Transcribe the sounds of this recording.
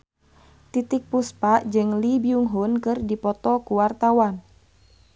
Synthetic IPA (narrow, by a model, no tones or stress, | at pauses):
t̪it̪ik̚puspaʔd͡ʒɨŋlibiuŋɦunkɨrdipɔt̪ɔkuwart̪awan